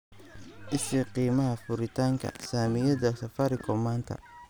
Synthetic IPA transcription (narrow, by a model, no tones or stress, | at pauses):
ʔɪsɪqiːmɐɦɐfʊɾɪt̪ʰaːŋkʰɐ̰saːmɪjɐðɐsɐfɐɾɪkʰɔmaːnt̪ʰɐ̰